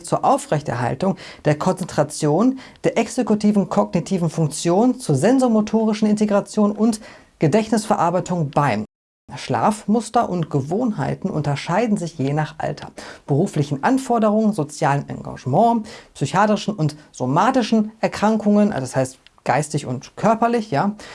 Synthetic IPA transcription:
t͡suːɐʔaʊfʁ̥ɛçtɛ̰ɐɦa̰ltʊŋ | d̥eːɐkʰɔnt͡sɛntʁ̥at͡sjoːnd̥eːɐʔɛksekutʰiːvn̩kʰɔɡnitʰiːvn̩fʊŋk̚t͡sjoːnnt͡suːɐzɛnzomotʰoːʁ̞ɪʃn̩ɪnteɡʁat͡sjoːnʔʊnt | ɡ̥ədɛçnɪsfɛɐʔaɐbaɪtʰʊŋb̥aɪ | ʃla̰ːfmʊstɐʔʊntɡ̥əvoːnɦa̰ɪtn̩ʔʊ̰ntɐʃaɪdn̩zɪçjeːnaːχʔa̰ltʰɐ̰b̥əʁuːflɪçn̩ʔanfɔɐdəʁ̞ʊŋənzot͡sjaːlənʔa̰ŋɡa̰ʒmɑ̃ːpsyçaːtʁɪʃn̩ʊntz̥omaːtɪʃn̩ʔɛɐkʁ̥aŋkʰʊŋənʔa̰ashaɪst | ɡ̥aɪstɪçʊ̰ntkʰœɐpɐlɪçjaː

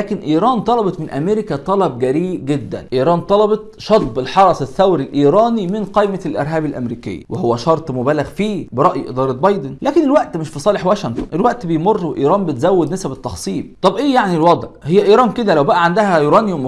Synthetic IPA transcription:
æːkenʔiːɾˤɑːnt̪ˤɑlɑbɑt̪mɪnʔæmeɾekæt̪ˤɑlɑb̚ɡæɾiːbɡed̪ːæ̰nʔiːɾˤɑːnt̪ˤɑlɑbɑt̪̚ʃɑt̪ˤbelħɑɾˤɑsˤeθːæwɾilʔiːɾˤɑːnimɪnqejmælʔḛɾˤɦæːbælʔæ̰mɾiːkḛj̰ːwehowːæʃɑɾˤt̪ˤmʊbæːlæɣfiːbeɾˤɑʔjʔḛd̪ˤɑːɾˤɑt̪̚bɑjd̪enlæːkenelwæʔt̪mɪʃfisˤɑːleħwæːʃɪŋt̪ˤonʔelwæʔt̪bejmorˤːweʔiːɾˤɑːmbet̪zæwːed̪næsæbet̪ːɑxsˤiːb̚t̪ˤɑbʔeːjaʕnilwɑd̪ˤʕhejːæʔiːɾˤɑːnked̪ælæwbæʔæʕand̪æhæjoːɾˤɑːniwem

